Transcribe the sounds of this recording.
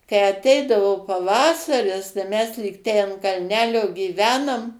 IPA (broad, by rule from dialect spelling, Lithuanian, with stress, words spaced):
kɐɪ ɐˈtʲɛɪdɐʋoː pɐˈʋɑːsɐrʲɪs tɐɪ ˈmʲɛs lʲiːk ˈtʲɛɪ ɐnt kɐlʲˈnʲæːlʲoː ɡʲiːˈʋʲæːnoːm